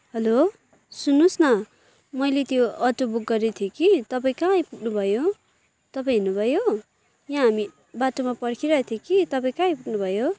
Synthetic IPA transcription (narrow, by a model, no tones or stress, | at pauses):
ɦʌlo | sunːusnʌ | mʌjlet̪joʌtobuk̚ɡʌɾet̪ʰjokit̪ʌpaĩkãĩpuʈnubʱʌjo | t̪ʌpaĩɦinubʱʌjo | jãɦami | batomapʌɽkʰiɾʌt̪ʰjokit̪ʌpaĩkãĩpuʈnubʱʌjo